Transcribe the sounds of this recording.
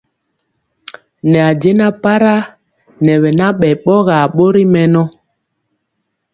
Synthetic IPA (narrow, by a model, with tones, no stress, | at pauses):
nɛ˨a˨d͡ʒe˦na˦pa˦ɾa˦ | nɛ˨ɓɛ˨na˦ɓɛ˨ɓɔ˦ɣa˨ɓo˦ɾi˦mɛ˦nɔ˦